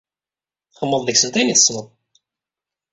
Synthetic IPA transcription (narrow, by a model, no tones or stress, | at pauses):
θχəmːəðˤðəçsənt̪æjniθəsːnəðˤ